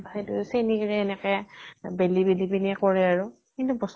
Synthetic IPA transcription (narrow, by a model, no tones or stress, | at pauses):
bʱajdusenikɹɛːnɛkɛbelibelibiniɛkɔɹɛaɹʊ | kintubɔs